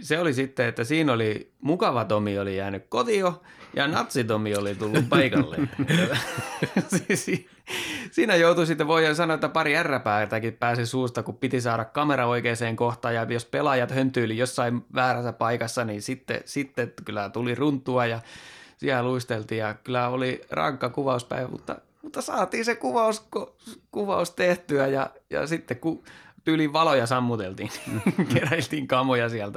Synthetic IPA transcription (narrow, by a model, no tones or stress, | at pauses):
seolisit̪ːeet̪ːæsiːnolimukɑʋɑt̪omiolijæːnykkot̪iojɑ̰nɑt̪sit̪omiolit̪ulːuppɑikɑlːḛnetːæ | ssiː | siːnæjout̪usit̪ːeʋʋoisɑnoet̪ːæpɑriærːæpæːt̪ækippæːsisuːst̪ɑkuppit̪isɑːɾɑkkɑmeɾɑoikeːseːŋkoht̪ɑjɑjospelɑjɑt̪hønt̪yːlijosːɑiʋʋæːræsæpɑikɑsːɑninsit̪ːḛsit̪ːekylːæt̪ulirunt̪ːˑuɑjɑsiæluist̪elt̪iːjɑkylæolirɑ̰ŋkːɑkuʋɑuspæ̰iʋæmṵt̪ːɑ̰ | mut̪ːɑsɑːt̪iːnsekuʋɑuskokuʋɑust̪eht̪yæjɑ̰jɑ̰sit̪ːekkut̪yːliʋʋɑlojɑsɑmːut̪elt̪iːnnikeræilt̪iːŋkɑmojɑsiælt̪æ